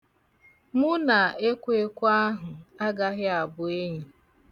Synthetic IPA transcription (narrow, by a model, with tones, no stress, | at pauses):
mʊ˦na˨e˦kʷʊ˦e˦kʷʊ˦a˦ɦʊ˨a˦ɡa˦ɦɪ˦a˨bʊ˨e˦ɲi˨